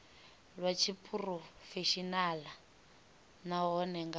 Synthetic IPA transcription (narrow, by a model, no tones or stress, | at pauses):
lwat͡ʃʰipʰʼurɔfeʃinala | naɦɔnɛŋɡa